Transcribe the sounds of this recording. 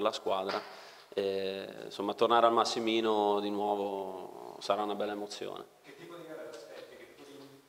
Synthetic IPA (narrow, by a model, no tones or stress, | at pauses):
laskwaːd̪ɾa | ensomːat̪ːornaːɾealmasːimiːnod̪inwɔːvo | saɾaunabɛlːaemot̪sːjo̰ːnḛ | iɛ